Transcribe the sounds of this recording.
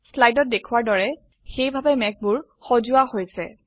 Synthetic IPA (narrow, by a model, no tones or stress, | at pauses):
slajdɔt̚dekʰuwaɹdɔɹɛ | xejbʱabɛmɛk̚bʊɹ | xozʊahojsɛ̰